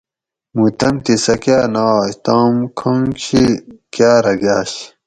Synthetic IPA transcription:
mut̪ɐmt̪isɐkaːnaːɕt̪aːmkʰõŋɕʰikjaːɾɐɡjaːɕ

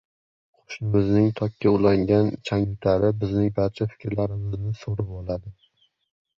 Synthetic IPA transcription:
qqʰo̥ʃnɪmɪznɪŋt̪ʰɒkʲːaʊlˠaŋɡʲant͡ʃʰaŋɪt̪ʰaɾɪbɪznɪŋbaɾt͡ʃʰafɪ̥kʲʰɾlaɾɪmɪznɪsoɾap̚olˠad̪ɪ

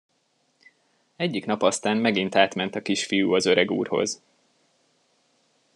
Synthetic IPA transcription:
ɛɟːikn̪ɒpɒst̪aːnmɛɡint̪aːt̪mɛnt̪ɒkiʃfijuːɒzøɾɛɡṵːrho̞̰z

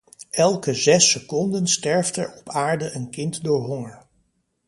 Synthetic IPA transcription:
ɛlˠkəzɛsəkɔndənstɛɹvdɛɹɔpaːɹdəʔənkɪntdʊːɹɦɔŋəɹ

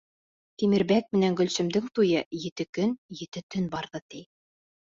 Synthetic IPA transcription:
t̪imɘ̆ɾbæk̚mɘ̆næŋɡɵ̆lsɘ̆md̪ɘŋt̪ujɤjɘ̆t̪ɘkɵnjɘ̆t̪ɘt̪ɵnbɑɾðɤt̪i

